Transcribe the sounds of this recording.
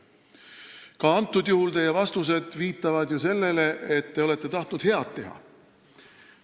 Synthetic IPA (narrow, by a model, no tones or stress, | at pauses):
kɑɑnt̪ːˑud̪juhult̪e̞jːevɑst̪us̬e̞d̪̥viːt̪ːˑɑvɑd̪̥juse̞lːe̞le̞ʔet̪ːe̞o̞le̞t̪ːˑe̞t̪ɑht̪nud̪̥he̞ɑt̪ːe̞ɦɑ̰